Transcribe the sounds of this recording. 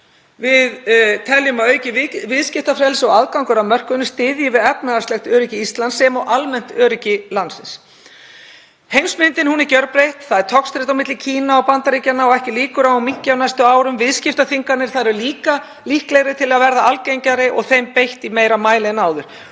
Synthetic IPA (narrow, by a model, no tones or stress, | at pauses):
vɪðt̪ʰɛljʏmaœːɥcɪvɪðscɪft̪afɾɛlsɔɣaðkawŋkʏɾamœr̥kʏnʏst̪ɪːðjɪvɪðɛpnaðaɾst̪lɛxt̪œːɾɪcɪist̪lansɛmɔɣʔalmɛn̥t̪œːɾɪcɪlansɪns | hejnsmɪnt̪ɪnhunɛɾcœɾpɾejht̪θaðɛɾ̥t̪ʰɔkst̪ɾɪht̪awmɪt̪lɪcʰiːnaɔpant̪aɾicanːaɔɣɛhcɪliːkʏɾaawmiɲcːawnajst̪ʏaːwɾʏmvɪðscɪft̪aθiŋkat̪nɪɾ̥θaðɾɛɾʏliːka | lihklɛɣɾɪt̪ʰɪlaðvɛɾðaalcejɲcaɾɪʔɔɣθejmpejht̪imeːjɾamaːjlɪɛnaːwðʏɾ̥